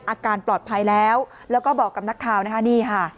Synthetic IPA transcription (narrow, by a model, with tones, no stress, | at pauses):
ʔaː˧kaː˧nplɔː˨˩t̪̚pʰa˧jlɛː˦˥w | lɛː˦˥wkɔː˥˩bɔː˨˩kːa˧p̚na˦˥kʰːaː˧wna˦˥kʰa˦˥niː˥˩kʰa˥˩